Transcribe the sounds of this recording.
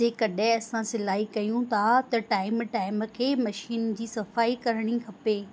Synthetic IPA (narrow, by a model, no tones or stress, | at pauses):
eːkɐɗɪ̃ɐsãsɪlaːikɐjũt̪ʰat̪ɐʈaːɪmʈaːɪmə̆kʰeːmɐʃiːnd͡ʑiːsɐfaːikɐɾəɽ̃ikʰɐpeː